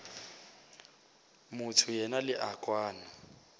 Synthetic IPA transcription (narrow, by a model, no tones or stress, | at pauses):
mʊtʰʊjɛnalɪʔakʼwaːna